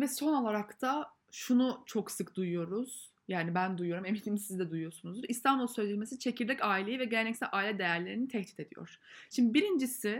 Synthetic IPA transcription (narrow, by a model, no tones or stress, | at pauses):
vɛso̞no̞lˠaɾakt̪ʰa | ʃunut͡ʃʰo̞ksɯkd̪ujujo̞ɾuz̥ | jaːnibænd̪ujujo̞ɾumemilʲimsizd̪ɛd̪ujujo̞ɾsunuzd̪uɾist̪ʰanbulˠsøjlelʲmesit͡ʃʰecʰiɾd̪ɛcaːilʲejivɛɟelɛnɛcsælʲʔaːilʲɛd̪e̞jæɾlʲe̞ɾinit̪ʰɛht̪i̥t̪ʰe̞d̪ijo̰ɾ̥ʃimd̪ibiɾind͡ʒisi